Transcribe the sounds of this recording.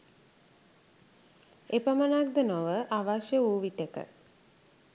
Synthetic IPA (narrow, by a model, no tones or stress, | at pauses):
epəmənak̚d̪ənoʋəʔaʋaʃjəuːʋit̪ekə̰